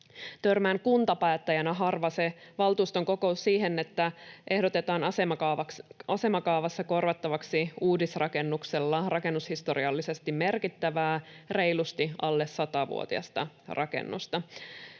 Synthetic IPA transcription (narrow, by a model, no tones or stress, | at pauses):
t̪ørmæːŋkunt̪ɑpæːt̪ːæjænæɦɑrʋɑseʋɑlt̪uːst̪o̞ŋko̞ko̞usːiːɦe̞net̪ːæʔe̞hdo̞t̪e̞t̪ɑːnɑseɑɑɑse̞mɑkɑːʋɑsːɑko̞rʋɑt̪ːɑʋɑksiuːdisrɑke̞nːukselːɑrɑke̞nːushist̪o̞ɾiɑlːise̞st̪imme̞rkit̪ːæʋæːre̞jlust̪iʔɑlːesːɑt̪ɑʋṵo̰t̪iɑ̰st̪ɑ | rɑkḛnːṵst̪ɑ